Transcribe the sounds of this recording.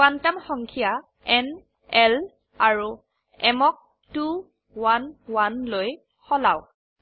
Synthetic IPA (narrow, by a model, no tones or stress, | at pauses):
wantamxɔŋkʰija | ɛn | ɛl | aɹu | ɛmɔk̚ | tu | wanwanloj | xɔlaw